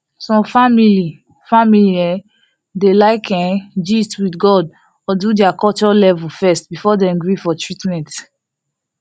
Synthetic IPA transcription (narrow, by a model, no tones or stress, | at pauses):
sɔ̃mfamili | familiɛ | delaɪkʰɛ̃d͡ʒitwidɡɔd | ɔdudɛakɔt͡ʃɔlɛvulfɛst̚bifɔdɛ̃mɡɹifɔtʰɹitmɛ̃nt